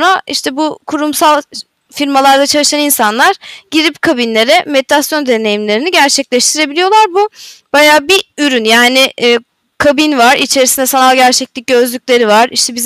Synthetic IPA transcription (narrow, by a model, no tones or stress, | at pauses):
naiʃt̪ʰɛbukʰuɾumsalˠ | fiɾmalˠaɾd̪at͡ʃʰalˠɯʃaninsanlˠaɾ̥ɟiɾipkʰabinlʲe̞ɾɛmet̪ʰasjo̞nd̪e̞ne̞jimlʲe̞ɾiniɟæɾt͡ʃʰɛclʲɛʃt̪ʰiɾe̞bilʲijo̞lˠaɾbub̥ajaːbiyɾynjaːnɪː | kʰabinvaɾit͡ʃʰe̞ɾisind̪ɛsanalˠɟæɾt͡ʃʰɛclʲic̚ɟø̞zlʲycʲlʲe̞ɾivaɾiʃt̪ʰɛbiz